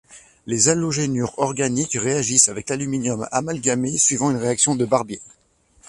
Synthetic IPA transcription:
lezaloʒenyʁɔʁɡanikʁeaʒisavɛklalyminjɔma̰malɡamesɥivɑ̃ynʁeaksjɔ̃d̪əbaʁbje

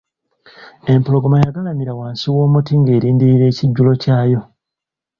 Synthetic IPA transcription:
e̞mpolo̞ɡomajaɡalamiɾawaːnsiwo̞ːmutiŋɡe̞ːɾiːndiɾiɾe̞ːciɟːulo̞caːjo̞

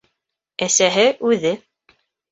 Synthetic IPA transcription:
æsæɦɘʔʉðɘ

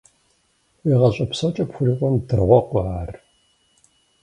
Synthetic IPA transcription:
wiːʁɐɕʼɐpsɐt͡ʃʼɐpxʷʊriːqʷʼɔmdɨrʁʷɔqʷɔaːr

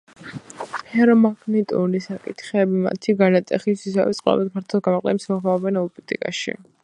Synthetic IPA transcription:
hɛɾɔmaɡnɛt̪ʼunisakʼit̪ʰχɛbima̰t̪ʰiɡanat̪ʼɛχisisa̰vɛsʼqʼwa̰vad̪̚pʰaɾt̪ʰɔlˠɡamɔqʼlɛmsmɔʁmaɔbɛnɔpʼit̪ʼḭkʼaʃḭ

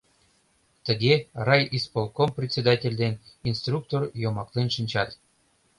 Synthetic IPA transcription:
t̪əɡʲerɑjispolˠkomprʲetʲt͡sʲed̪ɑtʲelʲd̪eninst̪ruk̚t̪orjomɑklenʃɨnʲt͡ɕɑt̪

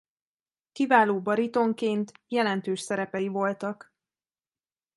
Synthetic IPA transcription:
kivaːloːbɒɾit̪o̞ŋkeːnt̪jɛlɛnt̪øːʃsɛɾɛpɛjivo̞lt̪ɒk

